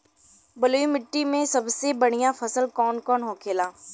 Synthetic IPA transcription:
bəloːimɪʈːimẽsɐbsebəɽ̤̃ijãfʰəsəlkɔːnkɔːnɦoːkʰeːlaː

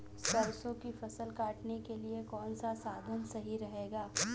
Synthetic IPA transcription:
stɐɾsõkifɐsəlkaːʈnekeliekɔːnsasaːd̪ʱənsɐɦiɾɐɦeːɡaː

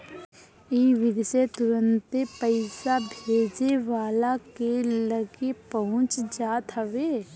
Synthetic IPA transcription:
iʋɪd̪set̪ʊɾə̃nt̪epəɪsabʱeːd͡ʒeʋaːlakeləɡepəɦʊ̃t͡ʃd͡ʒaːt̪ɦəʋeː

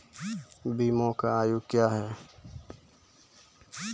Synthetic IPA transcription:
biːmõːkaaːjukjaːɦɛː

